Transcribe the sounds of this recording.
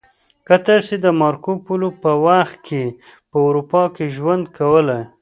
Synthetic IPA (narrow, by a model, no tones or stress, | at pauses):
kat̪ased̪əmɑɾkopulopəwaxt̪̚kʰe | pəawɾupɑkeʒwand̪̚kʰawəlaj